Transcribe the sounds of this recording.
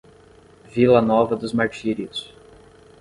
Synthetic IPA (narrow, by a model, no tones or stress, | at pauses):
vilɐnɔvɐd̪ʊzmaɾt͡ʃiɾiʊs